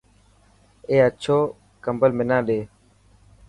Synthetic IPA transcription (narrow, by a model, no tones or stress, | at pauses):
eːət͡ʃʰoː | kəmbəlmɪnãːɗeː